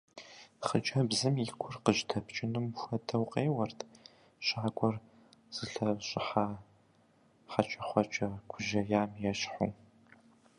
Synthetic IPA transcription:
χət͡ʃʼɐbzɨmikʷʰʊrqəʒtʰɐpʰt͡ʃʼɪnɨmxʷɐdʰɐwqʼeːwɐrtʰ | ɕaːɡʷɔr | z̥ɨɬɐɕʼɪħaː | ħat͡ʃʼɐχʷɔt͡ʃʼɐkʷʰʊʒɐjaːmjɛɕħu

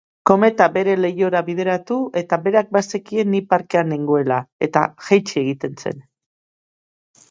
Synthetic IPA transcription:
ko̞me̞t̪abe̞ɾe̞le̞jo̞ɾaβiðe̞ɾat̪ue̞t̪abe̞ɾak̚bast̪ekie̞nːipaɾke̞aneŋɡo̞e̞lae̞t̪a̰ʝajt͡ʃieɣit̪e̞nse̞̰n

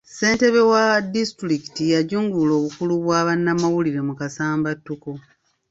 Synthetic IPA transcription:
se̞ːnte̞βe̞wadistuɾiki̥tijaɟuːŋɡulo̞ːβukuluβwaːβanːamawuliɾe̞mukasaːmbatːuko

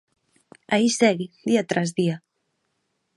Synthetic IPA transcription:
aisɛɣid̪iat̪ɾazðia

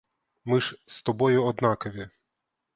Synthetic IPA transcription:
mɪʃst̪ɔbɔjʊɔd̪nɑkɐʋʲi

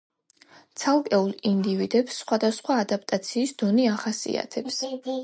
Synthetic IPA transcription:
t̪sʰalˠkʼɛulˠind̪ivid̪ɛpsːχwad̪asχwaːd̪ap̚ʰʼt̪ʼat̪sʰiːsd̪̥ɔniaχasḭa̰t̪ʰɛps

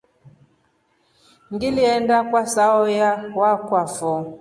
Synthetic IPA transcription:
ŋɡiliɛndakwasaɔjawakwafɔ

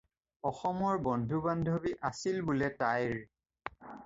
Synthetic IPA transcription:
ɔxɔmɔɹbɔndʱubandʱobiʔasilbʊlɛtajɹ

